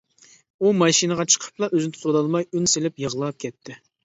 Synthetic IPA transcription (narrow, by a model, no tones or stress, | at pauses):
umɑʃinəʁɑt͡ʃʰə̥qʰə̥pʰlˠɑʔøzɪnɪt̪ʰut̪ʰod̪ɑlˠmɑjynselɪpjəʁlˠɑp̚kʲɛt̪ʰːɪ